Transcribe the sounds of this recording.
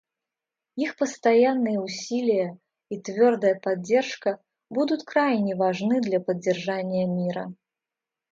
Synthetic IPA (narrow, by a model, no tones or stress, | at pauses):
jixpɐst̪ajanːɨjɐusʲilʲijɐ | it̪vʲɔrd̪ɐjɐpad͡zʲːɛrʂkɐ | bud̪ut̪ʲkɾajnʲɛvaʐnɨd̪lʲɐpɐd͡zʲːɛrʐanʲːɪjɐmʲiɾɐ̰